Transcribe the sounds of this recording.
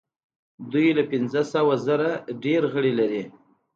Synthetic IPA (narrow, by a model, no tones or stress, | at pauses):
d̪ujlapɪnzəsawazaɾaɖeɾɣəɽilaɾi